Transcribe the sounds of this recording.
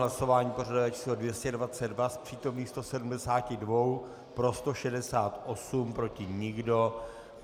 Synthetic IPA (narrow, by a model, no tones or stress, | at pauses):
laso̞vaːɲiːpo̞radovɛt͡ʃʰiːslodvjɛscɛdvat͡sɛdvaspr̝̥iːt̪o̞mniːxst̪o̞sɛdumdɛsaːcɪdvo̞w | pɾo̞st̪oʃɛdɛsaːt̪ʔo̞sumpɾo̞cɪɲɪɡdo̞